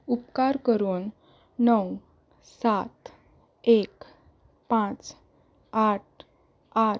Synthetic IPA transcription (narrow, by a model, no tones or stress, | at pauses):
upkaɾkəɾuːnː | əw | sat̪ | ek | pãt͡s | aʈ̚ | a